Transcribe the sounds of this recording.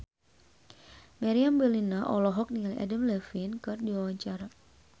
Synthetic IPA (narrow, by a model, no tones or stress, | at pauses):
maɾiambəlinaʔɔlɔɦɔk̚niŋalʔa̰dəmlɛfɪnkɨrdiwawaɲt͡ʃaɾa